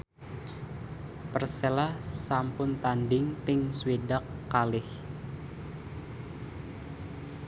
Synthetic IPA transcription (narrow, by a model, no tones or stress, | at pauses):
pərsɛlahsampʊnt̪anɖɪŋpɪŋswidakːalɪh